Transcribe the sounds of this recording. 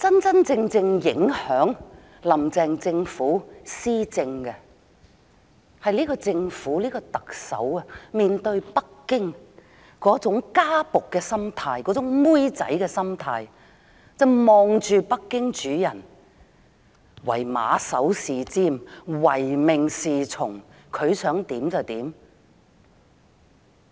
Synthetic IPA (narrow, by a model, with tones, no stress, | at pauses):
t͡sɐ˥nt͡sɐ˥nt͡sɪ˧ŋt͡sɪ˧ŋjɪ˨˥ŋhœː˨˥ŋ | lɐ˨˩mt͡sɛː˨ŋt͡sɪ˧ŋfuː˨˥siː˥t͡sɪ˧ŋkɛ˧ | hɐ˨jliː˥kɔː˧t͡sɪ˧ŋfuː˨˥liː˥kɔ˧t̪ɐ˨k̚sɐ̰˨˥wɐ˧miː˨nt̪ɵ˧ɥpɐ˥kːɪ˥ŋ | kɔː˨˥t͡sʊ˨˥ŋkaː˥pʊ˨kːɛː˧sɐ˥mt̪ʰaː˧jkɔː˨˥t͡sʊ˨˥ŋmuː˥jt͡sɐ̰˨˥jkɛː˧sɐ˥mt̪ʰaː˧j | t͡sɐ˨wmɔː˨ŋt͡ʃyː˨pɐ˥kːɪ˥ŋt͡ʃyː˨˥jɐ˨˩n | wɐ̰˨˩jma̰ː˨˧sɐ˨˥wsiː˨t͡siː˥mwɐ˨˩jmɪ˨ŋsiː˨t͡sʰʊ˨˩ŋ | kʰɵ˨˧ɥsœː˨˥ŋt̪iː˨˥mt͡sɐ˨wt̪iː˨˥m